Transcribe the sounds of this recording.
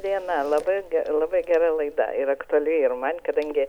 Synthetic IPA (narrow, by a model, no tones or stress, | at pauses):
d̪ʲiɛnɐlˠɐbɐɡʲɛlˠɑbɐɪɡʲæɾɐlˠɐɪd̪ɐ̰ɪɾɐkt̪ʊɐlʲujɪrmɐnʲkɐd̪ɐŋʲɡʲɪ